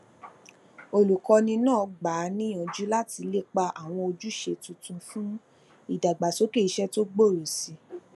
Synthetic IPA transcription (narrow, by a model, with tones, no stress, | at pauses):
o˧lu˨kɔ˧nĩ˧nãː˦˨˧ɡ͡ba˨˦nĩ˦ɔ̃˨d͡ʒu˨˦la˦ti˧le˦k͡pa˧ʔa˨w̃ɔ̃˧o˧d͡ʒu˦ʃe˧tũ˨˧tũ˧fũ˦ | i˨da˨ɡ͡ba˨so˨˦ke˦˨i˧˦ʃɛ˦to˦ɡ͡bo˦˨ɾo˨si˧